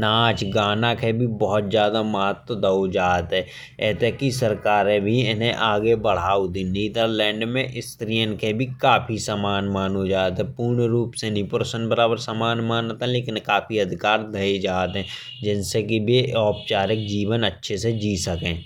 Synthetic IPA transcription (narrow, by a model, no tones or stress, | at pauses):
naːt͡ʃɡaːnakʰebʱibɔɦɔt̪̚zjaːd̪amɐɦət̪wəd̪əod͡ʒaːt̪ɦɛː | ɛːt̪ekisəɾkaːɾẽbʱiɪnɦẽʔaːɡebəɽ̤aːud̪ĩniːd̪əɾlɛ̃ːɳɖmẽʔɪst̪ɾijənkʰebʱikaːpʰisamaːnmaːnɦod͡ʒaːt̪ɦɛpuːɾɳɾuːpsenĩpʊɾsənbəɾaːbəɾsamaːnmaːnət̪ɦɛ̃leːkɪnkaːfʰiɐd̪ʱɪkaːɾd̪ʱɐed͡ʒaːt̪ɦɛ̃ | d͡ʒɪnsekibʱiɔːp̚t͡ʃaːɾɪk̚d͡ʒiːʋənətːʃʰesed͡ʒiːsəkẽː